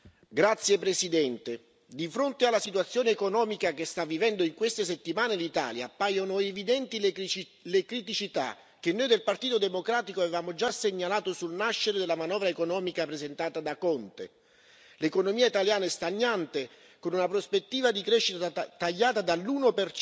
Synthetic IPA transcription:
ɡɾat̪sːjepɾesid̪ɛnt̪e | d̪ifɾont̪ealːasit̪wat̪sːjoːneːkonɔːmikak̟est̪avːivɛnd̪oiŋkwest̪es̬et̪ːimaːnelit̪a̰ːlja̰ːpːajonoevid̪ɛnt̪i | lekɾit̪̬it͡ʃit̪a̰ | k̟enːojd̪elpart̪iːt̪od̪emokɾaːt̪ikoavevaːmod͡ʒaseɲːalaːt̪osulnaʃːeɾed̪elːamanɔːvɾaekonɔːmikapɾezent̪aːt̪ad̪akɔnt̪ḛ | lekonomiːait̪aljaːnɛst̪aɲːant̪e | konunapɾospet̪ːiːvad̪ikɾeʃːit̪at̪aʎːaːt̪ad̪alːuːnoper

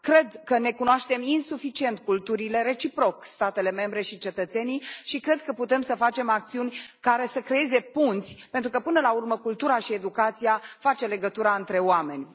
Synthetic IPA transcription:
kɾe̞d̪kəne̞kunoaʃt̪e̞minsufit͡ʃie̞nt̪̚kult̪uɾile̞ɾe̞t͡ʃipɾo̞kst̪at̪e̞le̞me̞mbɾe̞ʃit͡ʃe̞t̪ət̪se̞niʃikɾe̞d̪kəput̪e̞msəfat͡ʃe̞mak̚t̪siunʲkaɾe̞səkɾe̞je̞ze̞punt̪sʲpent̪ɾukəpɨnəlaurməkult̪uɾaʃie̞d̪ukat̪sijafat͡ʃe̞le̞ɡət̪uɾaɨnt̪ɾe̞oame̞nʲ

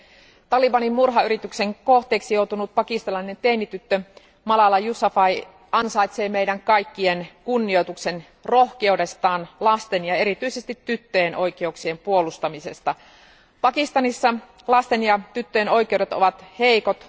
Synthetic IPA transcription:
t̪ɑlibɑnimmurɦɑyɾit̪ykse̞ŋkoht̪e̞ːksijo̞wt̪unut̪̚pɑkist̪ɑlɑine̞nt̪enːit̪yt̪ːø | mɑlɑlɑjusɑfɑij | ɑnsɑijt̪se̞ːmeidæŋkɑjkːienkunːiojt̪ukse̞n | ro̞hkeude̞st̪ɑːnlɑst̪e̞njɑe̞ɾit̪yisest̪it̪ːyt̪ːøjenʔo̞jk̟e̞uksie̞mpuolust̪ɑmise̞st̪ɑ | pɑkist̪ɑnisːɑ | lɑst̪enjɑt̪yt̪ːøjeno̞jke̞owɾe̞t̪o̰ʋɑt̪he̞ikot̪

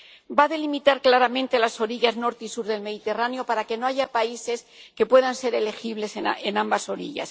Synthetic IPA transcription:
baðe̞limit̪aɾklaɾamẽ̞nt̪e̞laso̞ɾiʝazno̞ɾt̪isuɾðe̞lme̞ðit̪e̞ranjo̞paɾake̞no̞aʝapaise̞s | ke̞pwe̞ðanse̞ɾe̞le̞xiβle̞senambaso̞ɾiʝa̰s

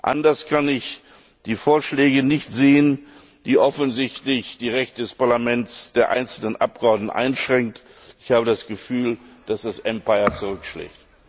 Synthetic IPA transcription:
ʔa̰ndɐskʰanɪç | d̥iːfoːɐʃlɛːɡənɪçtz̥eːən | d̥iːʔɔfnzɪçtlɪçd̥iːʁɛçtədɛspaɐlamɛntsd̥eːɐʔa̰ɪnt͡sl̩nənʔa̰p̚ɡ̥əɔɐdnn̩ʔa̰ɪnʃʁ̥ɛŋk̚t | ʔɪ̥çhaːbədasɡ̥əfyːld̥asd̥asʔɛmpaɪɐt͡suʁʏkʃlɛ̰ːçt

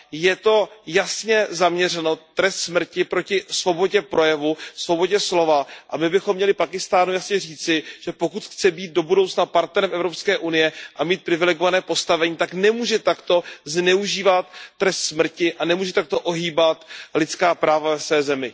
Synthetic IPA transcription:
jɛt̪o̞jasɲɛzamɲɛrɛnot̪ːɾɛst̪smr̩cɪpɾo̞cɪsvo̞bo̞ɟɛpɾo̞jɛvusvo̞bo̞ɟɛslo̞vaʔamɪbɪxomːɲɛlɪpakɪst̪aːnujasɲɛriːt͡sɪʒ̥ɛpokut̪xt͡sɛbiːd̪̚do̞budowt͡snapaɾt̪nɛɾɛmʔɛvɾopskɛːʔunɪjɛʔamiːt̪̚pɾɪvɪlɛɡovanɛːpo̞st̪avɛɲiːt̪aknɛmuːʒɛt̪akt̪o̞znɛuʒiːvat̪ːɾɛst̪smr̩cɪʔanɛmuːʒɛt̪ak̚t̪o̞ʔoɦiːbat̪lɪt͡skaːpɾaːvavɛsvɛːzɛmɪ

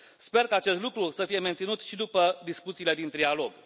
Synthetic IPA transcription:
spe̞rkaːt͡ʃe̞st̪lukɾusəfije̞ment̪sinut̪ʃid̪upəd̪iskut̪siːle̞d̪int̪ɾialo̞ɡ

